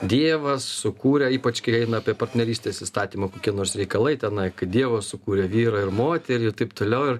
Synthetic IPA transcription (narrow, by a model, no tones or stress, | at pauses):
d̪ʲiɛʋɐssʊkuːɾʲɛiːpɐt͡ʃkɐɪɛɪnɐɑpʲiɛpɐrʲt̪ʲnʲɛɾʲiːsʲt̪ʲeːsist̪ɑːt̪ʲiːmɐkoːkʲiɛnoːrsɾʲɛɪkɐlˠɐɪt̪ʲɛnɐɪkɐt̚d̪ʲiɛʋossʊkuːɾʲɛʋʲiːɾɐɪrmoːt̪ʲɛɾʲiːɪrt̪ɐɪpt̪oːlʲɛʊɪr